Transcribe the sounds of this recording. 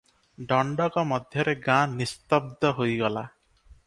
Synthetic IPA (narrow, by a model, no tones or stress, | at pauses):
ɖɔɳɖɔkɔmɔd̪ʱjɔɾeɡãnist̪ɔb̚d̪ɔɦojɡɔla